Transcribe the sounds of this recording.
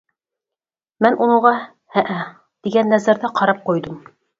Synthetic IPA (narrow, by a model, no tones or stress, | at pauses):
mɘnʔunŭʁɑ | hæʔæ | t̪iɡænːæzæɾðæqʰɑɾɑp̚qojd̪ɤm